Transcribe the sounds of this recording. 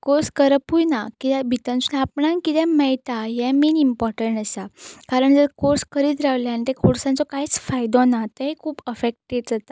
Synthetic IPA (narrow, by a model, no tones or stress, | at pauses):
koɾskəɾpujnakit̪ɛbʱit̪ənsunapɳãnkit̪ɛ̃məjt̪ajɛ̃menimpɔɾʈəɳʈəsakaɾəɳd͡zəɾkoɾskəɾiːt̪ɾaʋljanit̪ekʰuɽsãnt͡sɔkait͡sfajd̪ɔ̃nat̪əɦikʰuːpəfek̚ʈeɖd͡zat̪a